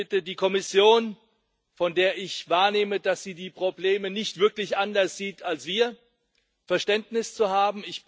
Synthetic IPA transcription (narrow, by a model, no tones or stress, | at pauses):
ɪtədiːkʰɔmɪsjoːn | fɔndeːɐʔɪçv̥aːɐneːmədasz̥iːdiːpʁ̥obleːmənɪçtv̥ɪɐklɪçʔandɐsz̥iːtʰalsv̥iːɐ | fɛɐʃtɛntnɪst͡suhaːbm̩ɪç